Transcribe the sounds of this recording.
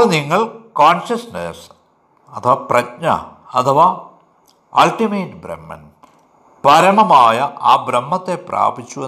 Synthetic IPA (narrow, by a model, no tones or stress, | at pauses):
ɭniŋːɐɭkaːnɕɐsnḛs | ɐt̪ʰɐʋaːprɐtɲɐ̰ | ɐt̪ʰɐʋaː | ɐlʈimeːʈbɾḛmːɐ̰n | pɐɾɐɳɐmaːjɐʔaːbɾɐmːɐt̪ːe̞pra̰ːbit͡ɕːue